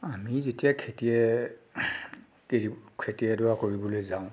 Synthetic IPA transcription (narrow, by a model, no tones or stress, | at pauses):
amizetijakʰetiɛ | keikʰetiɛdɔɹakoɹibɔlojzaʊ̃